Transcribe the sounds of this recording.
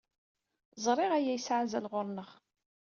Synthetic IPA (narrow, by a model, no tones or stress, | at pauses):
zˤɾˤɪʁæjæjsʕzælʁʊɾˤnəχ